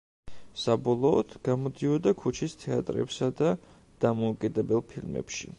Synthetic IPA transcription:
sabɔlˠɔːd̪̥ɡ̥amɔd̪iɔd̪akʰut͡ʃʰist̪ʰɛa̰t̪ʼɾɛ̰psad̪a | d̪̥amɔukʼid̪ɛbɛlˠpʰilmɛ̰pʃḭ

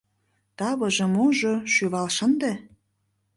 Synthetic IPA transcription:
t̪ɑβɤ̆ʒɤ̆moʒoʃyβɑlʃə̆nd̪ĕ

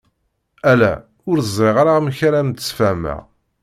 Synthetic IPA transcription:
ælæ̰ | ʊɾzˤɾeʁaɾaʁmçaɾæmt̪əsfæmæ̰

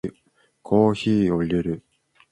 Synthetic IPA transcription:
ɯ | kʰo̞ːçiːo̞ɾʲɯɾɯ̟

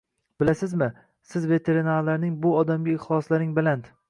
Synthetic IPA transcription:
b̥ɪlasɪzmɪ | sɪzve̞t̪ʰe̞ɾinaɾlaɾnɪŋbʊɒd̪amɡʲaɪχlˠɒslaɾɪŋbɪlant̪

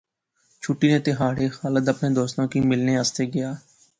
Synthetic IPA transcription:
t͡ʃʰuʈːiːnẽːt̪eɦaːɽeːxaːləd̪əpɳẽːd̪oːst̪ãːkiːmɪlneːəst̪eːɡɪjaː

